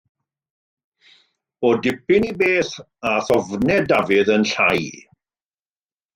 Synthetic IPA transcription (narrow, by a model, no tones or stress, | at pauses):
odɪpɪnibeːθ | aθɔvnɛdavɪðənɬaj